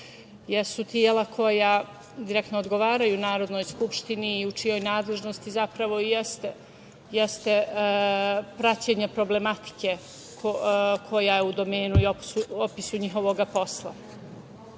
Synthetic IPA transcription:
jeɾsut̪ijeːlakʰo̞ja | d̪iɾek̚t̪noːd̪ɡo̞ʋaːɾajuːnaːɾo̞d̪no̞jskupʃt̪iniːut͡ʃijo̞jnaːd̪le̞ʒno̞st̪izapɾaʋo̞ijest̪e | jest̪e̞ | pɾat͡ɕeɲe̞pɾo̞ble̞mat̪i̥ke | kokʰo̞jajeud̪o̞meːnuiopsuopisuɲixo̞ʋoɡapo̞slˠa̰

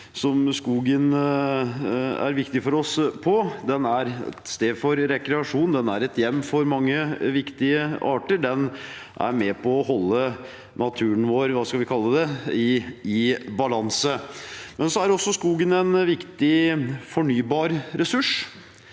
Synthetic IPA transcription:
sɔmskuːɡən | æ̰ɾʋɪkt̪ɪfɔɾɔspʰɔd̪ɛnæɾɛ̰st̪eːd̪fɔɾɾɛkɾɛɑʂuːnd̪ɛnæɾɛt̪jɛmːfɔɾmɑŋːəʋɪkt̪ɪəɑːʈəɖɛn | ʔæ̰ɾmɛpʰɔɔɦɔlːə | nʔɑt̪ʰʉːənʋoːɾʋɑːskɑlʋɪkʰɑlːəd̪ɛɪɪbɑlɑnsəmɛnsɔæɾɔsːɔskuːɡənɛnʋɪkt̪ɪfɔɳyːbɑːɾɾɛsʉʂ

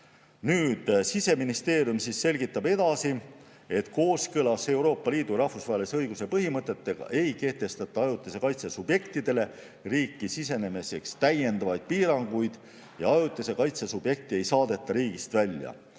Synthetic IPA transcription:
nyːd̪̥sise̞minist̪e̞ːɾijumsiːsːe̞lʲɡit̪ːˑɑbe̞d̪̥ɑsi | e̞t̪ˑko̞ːskɤlɑse̞uɾo̞ːpˑːɑliːd̪̥urɑhfusvɑɦelʲiseɤjɡ̥use̞pɤɦimɤt̪ːˑe̞t̪ːˑe̞ɡ̥ɑ̰ʔe̞jke̞ht̪e̞st̪ɑt̪ːˑɑɑjut̪ːˑese̞kɑjt̪sesub̥je̞kt̪id̪̥e̞le̞ | riːkːˑisise̞ne̞mese̞kst̪æje̞nd̪ɑvɑjd̪̥̚piːɾɑŋɡ̥ujd̪̥ | jɑ̰ɑjut̪ːˑesekɑjt̪sesub̥je̞k̚t̪ie̞jsɑːd̪e̞t̪ːˑɑɾiːɡ̥ist̪vælʲjɑ̰

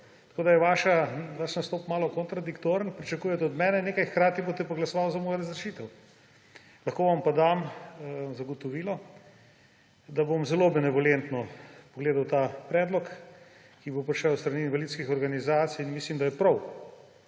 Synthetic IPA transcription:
t̪ɐ̥koːd̪ɐjɛʋaːʃaʋaʃnɐst̪ɔːpmaːlɔkɔnt̪ɾɐd̪ikt̪oːɾənpɾit͡ʃɐkuːjɛt̪ɛɔd̪mɛːnɛneːkajxkɾaːt̪ibot̪ɛpoɡlɐsɔʋawzɐmoːjaɾɐzɾɛt͡ʃiːt̪ɛw | lɐxkoːʋɐmpad̪am | zɐɡɔt̪ɔʋiːlɔ | d̪abomzɛlobɛnɛʋɔlent̪nɔpɔɡleːd̪awt̪apɾɛːd̪lɔk | kibopɾiʃɛwst̪ɾɐniːnvalit̪skixɔɾɡanizaːt̪sijinmislimd̪ajɛpɾɔw

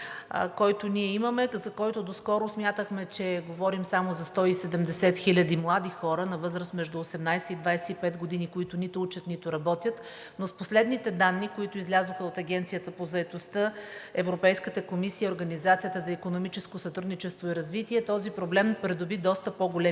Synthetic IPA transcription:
kɔjt̪ʊniɛiməmɛzɐkɔjt̪ʊd̪oskɔɾʊsmʲjat̪əxmɛt͡ʃɛɡovɔɾimsamozɐst̪ɔisɛd̪ɛmd̪ɛsɛt̪xilʲəd̪imlˠad̪ixɔɾənɐvɤzɾəsmɛʒd̪uosɛmnajsɛid̪vajsɛipɛt̪ɡod̪inikoit̪ʊnit̪ʊut͡ʃət̪nit̪ʊɾɐbɔt̪jət̪ | nosposlɛd̪nit̪ɛd̪anːikoit̪ʊizlʲazoxəot̪ɐɡʲɛnt̪sijət̪əpozɐɛt̪ost̪əɛvɾopɛjskət̪əkomisiəioɾɡɐnizat̪sijət̪əzɐikonomit͡ʃɛskosɐt̪ɾud̪nit͡ʃɛst̪voiɾɐzvit̪iɛt̪ɔzipɾoblɛmpɾɛd̪ʊbid̪ɔst̪əpoɡolɛ

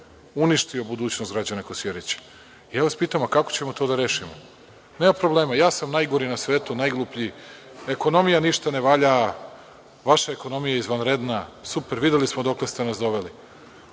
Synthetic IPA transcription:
uniʃt̪io̞bud̪uːt͡ɕnost̪ɡɾad͡ʑanakosjeɾet͡ɕi̥ | ijaːʋaspiːt̪amakakot͡ɕe̞mo̞t̪od̪aɾe̞ːʃimo | neːmapɾoblˠe̞ːmajaːsamnajɡoɾinasʋeːt̪unajɡlˠupʎi | e̞ko̞no̞mijaniʃt̪ane̞ʋaʎa | ʋaʃae̞ko̞no̞mijaizʋanɾed̪nasupeɾʋid̪jelismod̪o̞klest̪e̞nasd̪o̞ʋe̞li

